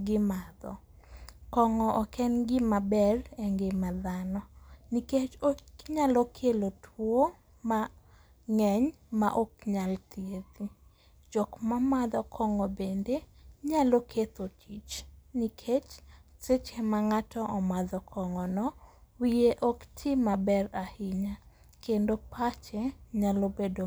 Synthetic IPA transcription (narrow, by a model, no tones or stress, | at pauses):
ɡɪmad̪ɔ̰ | kɔŋɔʔɔkɛnɡɪmabɛlɛŋɡemad̪anɔniket͡ʃoɲalokʰelotʰwo | ma | ŋɛɲ | ma̰ʔokɲalt̪jet̪i | d͡ʒɔkmamad̪ɔkʰɔŋɔbendeɲalokʰet̪ot͡ʃit͡ʃnikʰet͡ʃset͡ʃemaŋatʰɔʔɔmaðɔkʰɔŋɔnɔ | wijeʔoktʰimabɛrahiɲa | kendopʰat͡ʃeɲalobedo